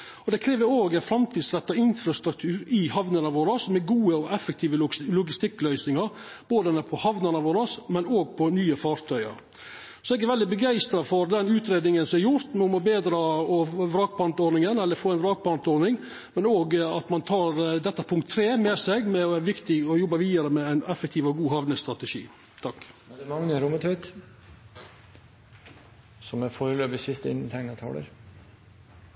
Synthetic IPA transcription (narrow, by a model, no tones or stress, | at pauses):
ɔd̪ɛkʰɾeːʋəɾoːɡɛnfɾɑmt̪ʰiːd̪sɾɛt̪ːɑɪnfɾɑst̪ɾʉk̚t̪ʰʉːɾɪhɑʋnənɑʋoːɾɑsmɛɡuːəɔʔɛfɛk̚t̪ʰiːʋəlʊɡɪst̪ɪkːlœʏsnɪŋɑɾ | b̥oːd̪ənəpʰɔhɑʋnənɑʋoːɾɑsmɛnoːɡ̚pʰɔnyːəfɑːɾt̪ʰœʏɑ̰ɾ | sɔɛɡæɾʋɛld̪ɪbəɡæɪst̪ɾɑfɔɾd̪ɛnʉːt̪ɾeːd̪nɪŋənsɔmɛɾjʊɾt̪mʊmɔbeːd̪ɾɑːɔʋɾɑːɡ̚pʰɑnt̪oːɾnɪŋənɛlːəɾfoːɛɪnʋɾɑːɡ̚pɑnt̪oːɾnɪŋ | mɛnoːɡɑt̪mɑnt̪ʰɑːɾd̪ɛt̪ːəpʰʊŋk̚t̪ʰːɾeːmɛsɛɡmɛɔæɾʋɪkt̪ɪɡɔjɔbːɑʋiːd̪ɑɾəmɛæɪnɛfɛkt̪ʰiːʋɔɡuːɦɑʋnəst̪ɾɑt̪əʂḭː | t̪ʰɑkːd̪ɛmɑŋːəɾʊmːət̪ʰœʏt̪ | sɔmæɾfoːɾəløːpɪsɪst̪əɪ̰nːət̪ʰɛŋnət̪ʰɑ̰ːlə̰ɾ